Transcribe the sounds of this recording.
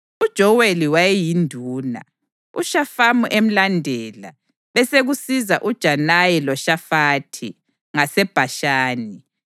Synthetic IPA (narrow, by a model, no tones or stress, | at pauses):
ud̥ʒ̥ʱɔɣweliwajɛjindʱuːna̰ | ṵʃafamuʔem̩landʱɛːla̰ | βɛseɣusizaʔud̥ʒ̥ʱanajɛlɔʃafaːtʰḭ | ŋasɛb̥ʱaʃaːni